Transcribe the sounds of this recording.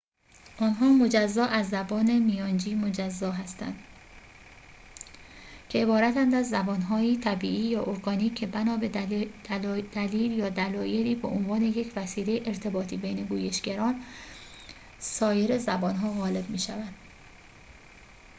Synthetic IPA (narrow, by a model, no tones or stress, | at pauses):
ʔɒːnɦɒːmo̞d͡ʒæzːɒːʔæzːæbɒːne̞mijɒːnd͡ʒiːmo̞d͡ʒæzːɒːɦæst̪æ̰nd̪̥ | cʰeebɒːɾæt̪ænd̪æzːæbɒːnɦɒːiːt̪ʰæbiːʔiːjɒːʔoɾɡɒːniːcʰːe̞bænɒːbe̥ | d̪̥æliːljɒːd̪ælɒːje̞liːbeʔonvɒːne̞je̞cʰvæsiːle̞jeʔeɾt̪ʰe̞bɒːt̪ʰiːbejne̞ɡuːje̞ʃɡæɾɒːn | sɒːje̞ɾezæbɒːnɦɒːɣɒːle̞bmiːʃævænd̪̥